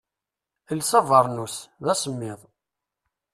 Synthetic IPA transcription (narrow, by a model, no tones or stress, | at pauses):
əlsævəɾˤnusðæsəmːɪðˤ